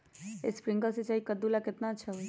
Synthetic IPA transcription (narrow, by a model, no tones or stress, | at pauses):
espɾiŋɡəsit͡ʃajikəd̪ulaket̪nãt͡ʃʰɛʋj